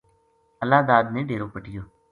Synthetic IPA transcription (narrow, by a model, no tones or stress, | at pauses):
əlaːd̪aːd̪nẽːɖeːɾoːpəʈɪjoː